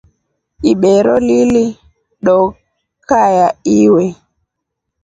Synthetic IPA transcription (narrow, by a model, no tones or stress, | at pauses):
iɓɛɾɔlili | ɗɔ | kajaiwɛ